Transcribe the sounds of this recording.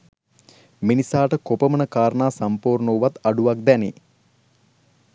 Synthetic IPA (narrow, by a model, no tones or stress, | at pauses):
minisaːʈəkopəmənəkaːɾɳaːsampuːɾɳowʋat̪aɖuʋak̚d̪ænḛ